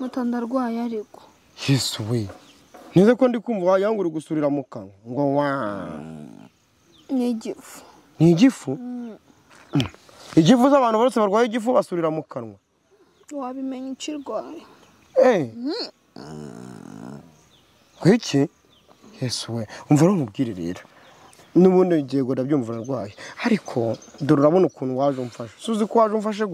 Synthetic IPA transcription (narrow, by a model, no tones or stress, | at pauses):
mutaːndaɾɡwajaɾiɡo̥ | jesuwe | nizekondikuːɱvuwajaŋɡuɾiɡusuɾiɾamukaɾwaŋɡowa | niɟifu̥ | niɟifu | iɟifuzaβaːnuβaoseβaɾɡwaːjeɟifuβasuɾiɾamukanwa | waβimeɲiciɾɡwaːjo | e | kicʰi | jesuweomvaɾmubɡiːɾiɾḛːɾḁ | nuβuːndiɟeɡodabɟuːmvuɾaɾɡwaːjehaɾikʰo̞duɾuɾaβonukuːnuwaːʒuɱfaʃḁsuzikuwaːʒuɱfaʃ̬e